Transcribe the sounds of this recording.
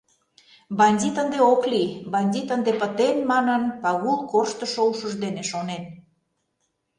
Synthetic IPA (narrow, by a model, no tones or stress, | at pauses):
bɑnʲdʲit̪ənd̪eoklibɑnʲdʲit̪ənd̪epət̪enmɑnənpɑɣulˠkorʃt̪əʃouʃəʒd̪eneʃonen